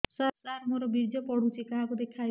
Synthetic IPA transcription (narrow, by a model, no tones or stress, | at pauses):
sasaɾmoɾɔbiɾd͡ʒɔpɔɽ̤ut͡ʃʰikaɦakud̪ekʰaj